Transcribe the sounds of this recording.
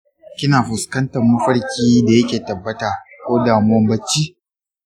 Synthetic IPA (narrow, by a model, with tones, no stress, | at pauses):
kʲɪ˦naː˨ɸʊ˨skɐ˦ntɐ˨rmɐ˦ɸɐ˦ɽkʲiː˦da˨jɐ˦kʲeː˨tɐ˨bːɐ˦taː˨kʷoː˦daː˨mʊ˦wɐ˦mbɐ˦t͡ʃːi˦